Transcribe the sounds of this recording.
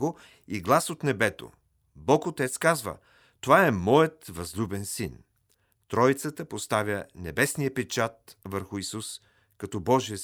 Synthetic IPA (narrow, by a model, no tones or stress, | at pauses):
ɡo | iɡlˠasot̪nɛbɛt̪o̰ | bɔkot̪ɛt̪skazvə̰ | t̪ovaɛmɔjət̪vɐzlʲubɛnsin | t̪ɾɔjt̪sət̪əpost̪avʲjənɛbɛsnijəpɛt͡ʃat̪vəɾxʊisus | kɐt̪ɔbɔʒiə